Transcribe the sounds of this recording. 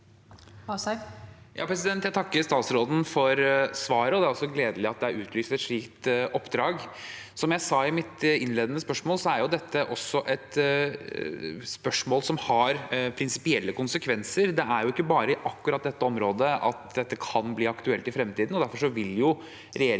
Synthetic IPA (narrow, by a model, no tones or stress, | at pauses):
jʔɑ̰ːpʰɾɛsɪd̪ɛnt̪jæɪt̪ɑkːəɾst̪ɑːt̪sɾoːd̪n̩fɔɾsʋɑːɾəɔd̪ɛæɾɔsːɔɡleːd̪əlɪɑt̪̚d̪ɛæɾʉːt̪ʰlyːst̪ɛt̪ʂɭiːkt̪ɔpːd̪ɾɑːɡ | sɔmjæɪsɑːɪmɪt̪ɪnleːd̪ənəspœʂmoːlsɔæɾjʊd̪ɛt̪ːəʔɔsːɔʔɛt̪ | spœʂmoːlsɔmhɑɾpʰɾɪnsɪpɪɛlːəkʊnsəkʰʋɛnsəɾd̪ɛæɾjʊɪkːəbɑːɾəɪʔɑkːʉɾɑt̪̚d̪ɛt̪ːəɔmɾoːd̪əʔɑ̰t̪d̪ɛt̪ːəkʰɑnbliːɑkt̪ʉɛlt̪ɪfɾɛmt̪iːd̪n̩ɔd̪æɾfɔʂɔʋɪljʊ | ɾɛjeːɾ